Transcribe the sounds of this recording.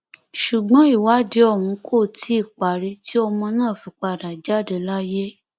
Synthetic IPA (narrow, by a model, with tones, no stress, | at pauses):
ʃu˨ɡ͡bɔ̃˨˦i˦˨wa˨˦di˧˦ɔ˦˨wũ˨˧˦kʰo˦˨tʰi˦i˦˨k͡pa˨ɾi˧˦ti˦ɔ˧mɔ̃˧nãː˦˨fi˧˦k͡pa˧˨da˨d͡ʒa˦˨de˧la˦je˦